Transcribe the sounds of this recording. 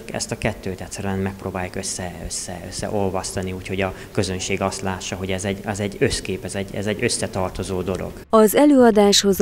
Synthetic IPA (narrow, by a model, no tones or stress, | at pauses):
ɛ̰st̪ɒkɛt̪ːøːt̪ɛct̪ʲsːɛɾyɛnmɛk̚proːbaːjukø̞sːɛøsːɛ̰ø̰sːɛ̰ʔo̞lvɒst̪ɒniuːcho̞ɟɒ | kø̞zønʃeːɡɒst̪laːʃːɒɦo̞ɟɛzɛɟɛzɛɟːø̞skeːpɛzɛɟːɛ̰zɛɟːø̞sːɛt̪ɒrt̪o̞zoːd̪o̞lo̰ɡ̥ɒzɛløːɒd̪aːʃho̞z